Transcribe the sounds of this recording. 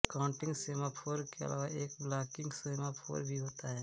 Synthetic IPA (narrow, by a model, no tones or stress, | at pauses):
kaʊ̃ɳʈɪ̃ŋɡseːmapʰoːɾkeɐ̰lʔa̰ːʋaeːkblaːkɪ̃ŋɡseːmapʰo̰ːɾbʱiɦoːt̪aɦɛː